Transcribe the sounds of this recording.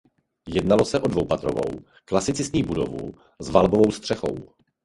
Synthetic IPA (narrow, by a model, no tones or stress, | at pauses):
jɛdnalosɛʔo̞dvowpat̪ɾo̰vo̞̰w | klasɪt͡sɪsɲiːbudo̞vṵ | zvalbovo̞wst̪r̝̥ɛxo̞̰w